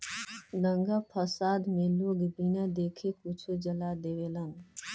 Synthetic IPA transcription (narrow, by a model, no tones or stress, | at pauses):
ləŋɡapʰəsad̪meloɡbinad̪ekʰekut͡ʃʰud͡ʒəlad̪ewelən